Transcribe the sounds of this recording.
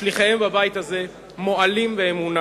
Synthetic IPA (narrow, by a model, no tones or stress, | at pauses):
liχaembabajit̪haze | mo̞alimveemuna